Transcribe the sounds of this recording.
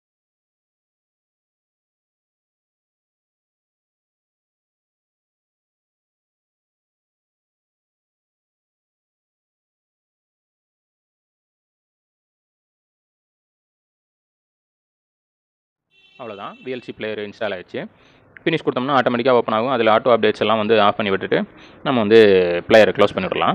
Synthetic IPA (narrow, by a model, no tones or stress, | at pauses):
ɐʋɐɭoːt̪ãːʋiːɛlsiplejɐɾɪnsʈaɪlaːɪt͡ʃːɯ | fɪnɪːskʊɽɯt̪ːɐmnːãaːʈoːmɐʈɪkːaːoːpːɐnaːɣɯ̃ɐðɪlɐaːʈːoːɐp̚ɖeːʈsɛlːãːʋɐnd̪ɯaːfpɐɳːiʋɪʈːɯʈːɯnɐmːɐʋɐnd̪ɯplɛjɐɾkloːspɐɳːɪʋɪʈɾɐlãː